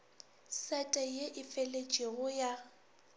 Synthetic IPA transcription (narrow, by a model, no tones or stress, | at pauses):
sɛtʼɛjeʔɪfɛlet͡ʃʼɪɣʊja